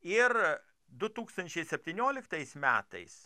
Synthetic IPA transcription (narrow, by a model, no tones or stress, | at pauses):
ɪɾ | d̪ʊt̪uːkst̪ɐnʲt͡ʃʲɛɪsʲɛpʲt̪ʲiːnʲoːlʲɪkt̪ɐɪsmʲæ̰ːt̪ɐ̰ɪs